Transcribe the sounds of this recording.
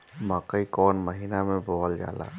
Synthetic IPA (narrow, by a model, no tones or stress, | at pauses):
məkəikɔːnməɦiːnamẽbʱoɦəld͡ʒa̰ːla̰ː